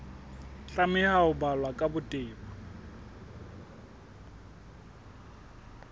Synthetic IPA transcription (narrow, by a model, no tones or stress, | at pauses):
ɬamɪhaʊbalwakʼabʊtʼɪːba